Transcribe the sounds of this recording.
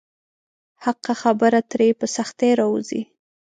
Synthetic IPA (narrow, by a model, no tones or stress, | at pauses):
haqaxabəɾat̪ɾepəsaxt̪eɾɑwuzḭ